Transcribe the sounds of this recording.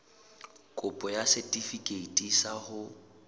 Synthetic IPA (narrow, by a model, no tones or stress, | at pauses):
kʼʊpʼɔjasɛtʼifikʼeitʼisahʊ